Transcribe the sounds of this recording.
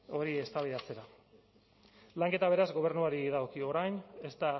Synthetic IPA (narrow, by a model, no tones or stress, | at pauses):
o̞ɾie̞st̪aβ̞ið̞at͡se̞ɾa | laŋke̞t̪aβ̞e̞ɾazɣo̞β̞e̞ɾnuaɾiðaokio̞ɾajne̞st̪a